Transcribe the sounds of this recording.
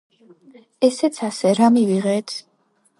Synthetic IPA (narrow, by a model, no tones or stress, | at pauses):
ɛsɛt̪sʰasɛɾamiviʁɛːt̪ʰ